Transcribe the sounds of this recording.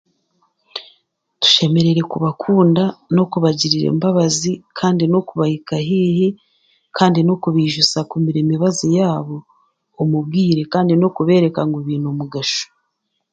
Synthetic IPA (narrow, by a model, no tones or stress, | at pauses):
tu̥ʃe̞me̞ɾe̞ɾe̞kuβakʰuːndano̞kuβaɟiɾiɾe̞̰ːmbaβazikʰaːndino̞kuβahikaɦiːhi | kʰaːndino̞kuβiːʒusakumiɾeːmiβazijaːβo̞ː | mubɡiːɾe̞kaːndino̞kuβe̞ːɾe̞kaŋɡoβiːnomuɡaʃo̥